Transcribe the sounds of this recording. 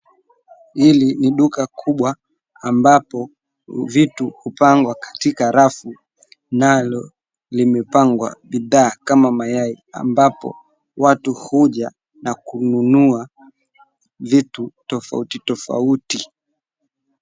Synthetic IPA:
hiliniɗukakʰuɓwa | ambapɔ | vituhupaŋɡwakḁtikaɾafu | nalɔ | limɛpaŋɡwa̰ɓiðaːkamamajai | a̰mbapɔ̰ | watuhuʄa | nakununua | vitutɔfa̰utitɔfa̰uti

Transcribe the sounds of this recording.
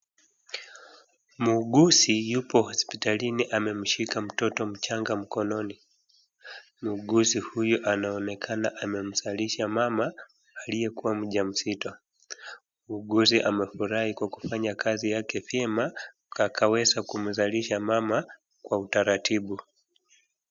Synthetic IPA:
muɠusijupɔhɔspitaliniʔamɛm̩ʃikam̩tɔtɔm̩t͡ʃaŋɡam̩kɔnɔni | muɠusihujuʔanaɔnɛkʰanaʔamɛm̩zaliʃamamaː | lijɛkuwam̩ʄam̩sitɔ | muɠus̬iʔamɛfuɾahikwaku̥faɲakʰazijakɛfjɛma | akawɛzakum̩zaliʃamama | kwautaɾatʰiɓu

